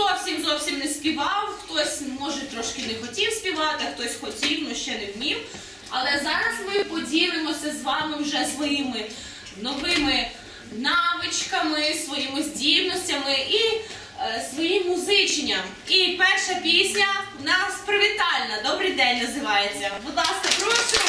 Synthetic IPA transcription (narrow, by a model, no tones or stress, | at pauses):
ɔwsʲimzɔwsʲimnespʲiʋɑwxt̪ɔsʲmɔʒɛt̪ɾɔʃkɪnexɔtʲiwsʲpʲiʋɑt̪ɪɐxt̪ɔsʲxɔtʲiwnɔʃt͡ʃɛnewmʲiw | ɐlˠɛzɑɾɐzmɪpɔdʲilˠɪmɔsʲɐzʋɑmɪwʒɛsʋɔjimɪ | nɔʋɪmɪ | nɑʋɪt͡ʃkɐmɪsʋɔjimɪzʲdʲiwnɔsʲtʲɐmɪʔi | sʋɔjimːʊzɪt͡ʃnʲɐm | ipɛrʃɐpʲisʲnʲɐnɐspɾɐʋʲit̪ɑlʲnɐd̪ɔbɾɪjd̪ɛnʲnɐzɪʋɑjet͡sʲːɐbʊd̪lˠɑskɐpɾɔʃʊ